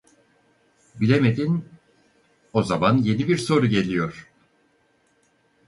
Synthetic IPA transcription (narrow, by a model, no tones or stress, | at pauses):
bilʲemed̪in | o̞zamanje̞nibiɾso̞ɾuɟe̞lʲijo̞ɾ̥